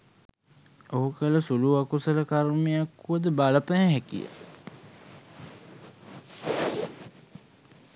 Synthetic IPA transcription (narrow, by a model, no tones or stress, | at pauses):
oɦukələsuluːakusələkaɾmijakːuəd̪əbaːləpæɦɛ̃ɦɛkḭjə̰